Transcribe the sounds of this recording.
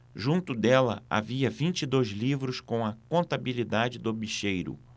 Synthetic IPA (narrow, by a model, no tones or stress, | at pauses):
ʒũnt̪ʊd̪ɛlɐ̰a̰viɐvĩnt͡ʃid̪ojzlivɾʊskõɐkõnt̪abilid̪ad͡ʒɪd̪ʊbiʃejɾʊ̰